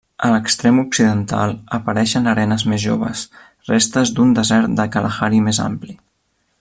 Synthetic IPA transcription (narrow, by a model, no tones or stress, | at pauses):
ələkst̪ɾemuksiðənt̪a̰lˠəpəɾɛʃənəɾɛnəzmezʒo̰βə̰s | rest̪əzd̪und̪əzɛɾt̪̚d̪əkələxaɾimeza̰mpli